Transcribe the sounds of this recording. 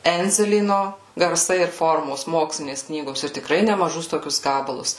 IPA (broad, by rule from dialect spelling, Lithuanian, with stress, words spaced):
ˈɛnʲd͡zʲɛlʲiːnoː ɡɐrˈsɐɪ ɪr ˈfoːrmoːs ˈmoːksʲlʲɪnʲeːs ˈknʲiːɡoːs ɪr tʲɪkˈrɐɪ nʲɛmɐˈʒʊs ˈtoːkʲʊs ˈɡɑːbɐlˠʊs